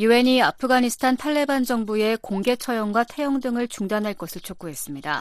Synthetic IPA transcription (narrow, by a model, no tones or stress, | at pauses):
juɦe̞ɲiapʰɯɡaɲisʰɯ̥tʰantʰaɭːe̞band͡ʑʌŋbue̞koŋɡe̞t͡ɕʰʌjʌŋɡwatʰe̞jʌŋdɯŋɯɭt͡ɕuŋdanɦaɭk͈ʌsʰɯɭt͡ɕʰok͈uɦe̞s͈ɯmɲida̰